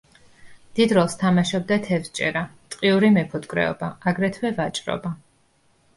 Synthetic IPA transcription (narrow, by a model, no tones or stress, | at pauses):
d̪̥id̪ɾɔlˠst̪ʰamaʃɔb̚d̪at̪ʰɛfst͡ʃʼɛ̰ɾat̪ʼqʼiuɾimɛpʰɔt̪ʼkʼɾɛ̰ɔ̰baaɡɾɛt̪ʰwɛvat͡ʃʼɾɔ̰ba